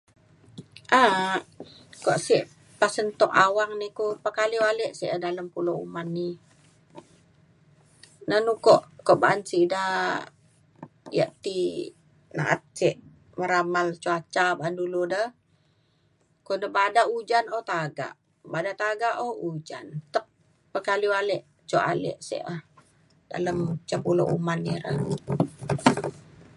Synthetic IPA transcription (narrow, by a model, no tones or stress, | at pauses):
ʔa | kɔʔsiʔ | pasənt̪ɔkawaŋnikopakaliwalɛʔsḭʔdaləmpuloṵmanːi | nanukɔʔkɔʔbaʔansiʔda | ja̰ʔt̪i | na̰ʔat̪̚siʔ | məɾamalt͡ʃuat͡ʃabaanduludə | kɔndəbadaud͡ʒanɔt̪aɡa̰ʔ | badat̪aɡaʔoud͡ʒa̰nt̪ək̚ | pəkalialɛʔ | t͡ʃoʔa̰lɛ̰ʔsɛ̰ʔəh | da̰ləmt͡ʃapulo̰ʔṵmaniɾə